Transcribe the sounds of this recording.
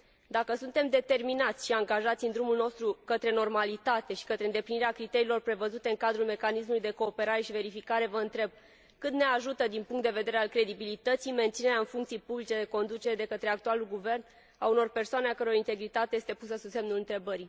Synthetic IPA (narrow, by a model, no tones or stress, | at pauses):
d̪akəsunt̪e̞md̪e̞t̪e̞rminat̪sʲʃiaŋɡaʒat̪sʲɨnd̪ɾumulno̞st̪ɾukət̪ɾe̞no̞rmalit̪at̪e̞ʃi̥kət̪ɾe̞ɨnd̪e̞pliniɾeakɾit̪e̞ɾiːlo̞rpɾe̞vəzut̪e̞ɨŋkad̪ɾulme̞kanismulujd̪e̞ko̞ːpe̞ɾaɾe̞ʃive̞ɾifikaɾe̞vəɨnt̪ɾe̞b̚ | kɨt̪neaʒut̪əd̪inpuŋkt̪d̪e̞ve̞d̪e̞ɾealkɾe̞d̪ibilit̪ət̪sijme̞nt̪sine̞ɾeaɨnfuŋkt̪sijpublit͡ʃe̞d̪e̞ko̞nd̪ut͡ʃeɾed̪e̞kət̪ɾe̞ak̚t̪ualulɡuve̞rn | auno̞rpe̞rsoane̞akəɾeoɾint̪e̞ɡɾit̪at̪eje̞st̪e̞pusəsud̪se̞mnulɨnt̪ɾe̞bəɾi